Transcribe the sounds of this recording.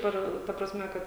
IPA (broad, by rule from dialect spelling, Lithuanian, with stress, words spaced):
ˈɐr tɐ prɐsʲˈmʲɛ ˈkɐt